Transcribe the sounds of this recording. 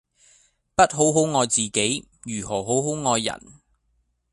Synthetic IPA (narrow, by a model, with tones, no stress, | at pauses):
pɐ˥t̚ɦo˨˥wɦo˨˥wŋɔː˨˧jt͡siː˨ke˨˥j | jyː˨˩ɦɔː˨˩ɦo˨˥wɦo˨˥wŋɔː˨˧jːɐ̰˨˩n